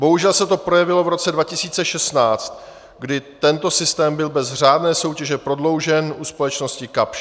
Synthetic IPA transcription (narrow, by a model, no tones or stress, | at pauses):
bo̞ɦuʒɛlsɛt̪o̞pɾo̞jɛvɪlo̞vɾo̞t͡sɛdvacɪsiːt͡sɛʃɛst̪naːt͡st̪ | ɡdɪt̪ɛnt̪o̞sɪst̪ɛːmbɪlbɛzr̝aːdnɛːso̞wcɛʒɛpɾo̞dlo̞wʒɛnʔuspo̞lɛt͡ʃno̞scɪkapʃ